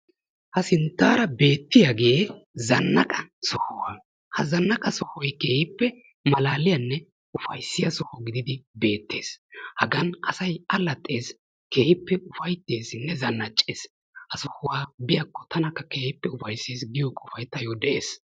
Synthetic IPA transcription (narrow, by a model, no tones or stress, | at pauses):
hɐsɪnt̪ːaːɾɐbe̞ːt̪ːɪjaɡeːzɐnːɐkʼɐsɔhʊwaː | hɐzɐnːɐkʼɐsɔhɔjke̞ːhɪpːɛ | mɐlaːlɪjɐnːɛ | ʊfɐjsːɪjɐsɔhɔɡɪd̪ɪd̪ɪbe̞ːt̪ʰːeːshɐɡɐnʔɐsɐjɐlːɐt̪ʼːe̞ːs | ke̞ːhɪpːɛʔʊfɐjt̪ːeːsnːɛzɐnːɐt͡ʃʼːeːs | hɐsɔhʊwaːbɪjɐkːɔt̪ʰɐnɐkːɐke̞ːhɪpːɛʊfɐjsːeːsɡɪjɔkʼʊfɐjt̪ːɐjɔd̪ɛʔeːs